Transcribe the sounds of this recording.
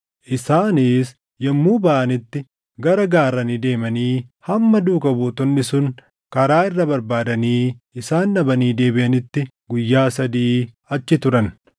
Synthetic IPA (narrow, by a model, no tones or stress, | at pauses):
ʔɪsaːniːs | jɐmːuːbɐʔɐnɪt̪ːɪ | ɡɐɾɐɡaːɾːɐnɪd̪e̞ːmɐniːhɐmːɐd̪uːkɐbuːt̪ɔnːɪsʊŋ | kɐɾaːɪrːɐbɐɾbaːd̪ɐniːɪsaːnːɐbɐniːd̪e̞ːbɪʔɐnɪt̪ːɪ | ɡʊjːaːsɐd̪iː | ɐt͡ʃːɪt̪ʊɾɐn